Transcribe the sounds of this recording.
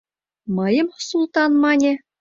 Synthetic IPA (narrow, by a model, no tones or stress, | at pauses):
mɤ̆jɤ̆mχsulˠt̪ɑnmɑnʲĕ